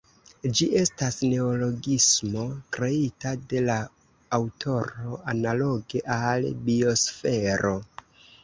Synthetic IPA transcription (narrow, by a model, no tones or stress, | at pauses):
d͡ʒiʔe̞stasne̞olo̞ɡismo̞kɾe̞itade̞laː | wtʰo̞ɾo̞analo̞ɡe̞ʔalbio̞sfe̞ɾo̞